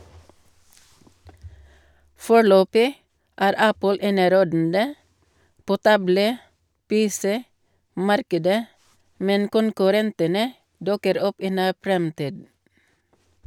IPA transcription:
ˈfoːˌɭøːpɪ ˈæːɾ ˈæpəl ˈeːnəˌɾoːdn̩də ˈpoː ˈtɑbləˌpeːˌsɛˌmɑɾkədə ˈmɛn kʊnkʉˈɾɛntənə ˈdʊkəɾ ˈɔp ˈiː ˈnæː ˈfɾɛmtiːd

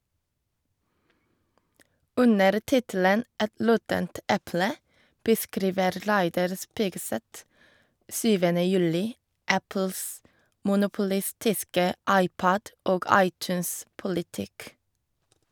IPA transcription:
ˈʉnəɾ ˈtɪtl̩ən ˈɛt ˈlɔtənt ˈʔɛplə bəˈskɾiːʋəɾ ˈlæɪdɑɾ ˈspiːɡˌsɛt ˈsyːʋənə ˈjʉlɪ ˈæpl̩s mʊnʊpʊˈlɪstɪskə ˈɑɪˌpɔd ˈʔoːɡ ˈɑɪˌt͡ʃʉːnspʊlɪˌtɪk

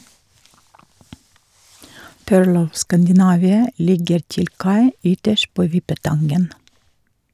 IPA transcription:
ˈpøːɭ ˈɔʋ ˌskændɪˈnɑʋɪə ˈlɪɡəɾ ˈtɪl ˈkɑɪ ˈʏtəʃt ˈpoː ˈʋɪpəˌtɑnɡən

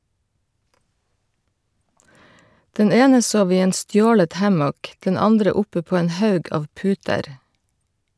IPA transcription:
ˈdɛn ˈeːnə ˈsoːʋ ˈiː ˈeːn ˈstjoːlət ˈhɑmɔk ˈdɛn ˈɑndɾə ˈʊpə ˈpoː ˈeːn ˈhɑʉɡ ˈɑːʋ ˈpʉːtəɾ

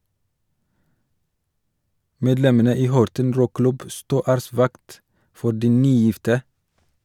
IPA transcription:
ˈmeːdlɛmənə ˈiː ˈhɔɾtən ˈɾuːˌklʉb ə ˈstuː ˈæːɾəˌsʋɑkt ˈfɔ ˈɖiː ˈnyːˌjɪftə

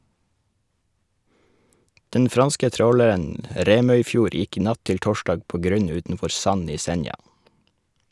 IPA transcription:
ˈdɛn ˈfɾɑnskə ˈtɾoːləɾən ə ˈɾeːmœʏˌfjuːɾ ˈjɪk ˈnɑt ˈtɪl ˈtoːˌʃdɑːɡ ˈpoː ˈɡɾʉɲ ˈʉːtn̩ˌfɔɾ ˈsɑn ˈiː ˈsɛnjɑ

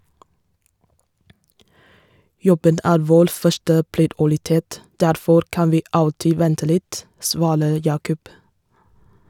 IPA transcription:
ˈjɔbən ˈæːɾ ˈʋoːɾ ˈfœʃʈə pɾɪdʊɾɪˈteːt ˈdæɾfɔɾ ˈkɑn ˈʋiː ˈɑltɪ ˈʋɛntə ˈlɪt ˈsʋɑːɾə ˈjɑːkʊp

